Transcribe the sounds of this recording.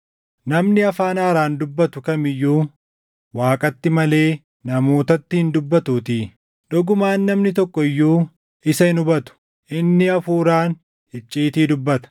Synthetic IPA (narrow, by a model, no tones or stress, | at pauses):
nɐmnɪɐfaːnaːɾaːnd̪ʊbːɐt̪ʊkɐmɪjːuː | waːkʼɐt̪ːɪmɐle̞ː | nɐmo̞ːt̪ɐt̪ːɪhɪnd̪ʊbːɐt̪uːt̪iː | ᶑɔɡʊmaːnːɐmnɪt̪ɔkːɔɪjːuː | ɪsɐɪnʊbɐt̪ʊ̥ | ʔɪnːɪɐfuːɾaːn | hɪt͡ʃʼːiːt̪iːd̪ʊbːɐt̪ɐ̥